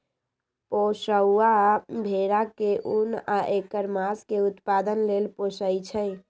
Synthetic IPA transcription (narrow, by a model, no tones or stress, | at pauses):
posəwabʱeɾakeʔunaʔekəɾmaskeut̪pad̪ənlelposəjt͡ʃʰəɪ